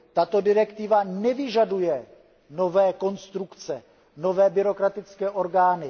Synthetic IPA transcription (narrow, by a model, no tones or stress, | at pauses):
t̪at̪o̞dɪɾɛkt̪ɪvanɛvɪʒadujɛ | no̞vɛːko̞nst̪ɾukt͡sɛ | no̞vɛːbɪɾo̞kɾat̪ɪt͡skɛːʔo̞ɾɡaːnɪ